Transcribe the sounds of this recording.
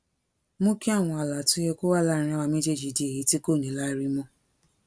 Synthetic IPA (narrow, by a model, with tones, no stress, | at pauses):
mõ˦ki˦a˦˨w̃ɔ̃˧a˨la˨tũ˨˦je˧ko˦wa˦˨lã˦˨ĩ˧˦wa˧mẽ˦te˦˨d͡ʒi˨di˨˦e˨ji˨˦ti˦ko˦˨nĩ˨˦la˦i˧ɾi˦mɔ̃˧